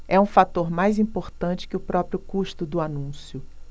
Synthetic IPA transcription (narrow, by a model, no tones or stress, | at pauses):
ɛũfat̪oɾmajzĩpoɾt̪ɐ̃t͡ʃɪ̥kɪʊpɾɔpɾiʊkuʃt̪ʊd̪ʊanũsjʊ